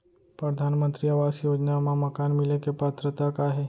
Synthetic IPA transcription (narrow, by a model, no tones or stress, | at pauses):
pɾəd̪ʱanmənt̪ɾiəʋasjod͡ʒnamãməkanmilekepat̪ɾət̪akaɦe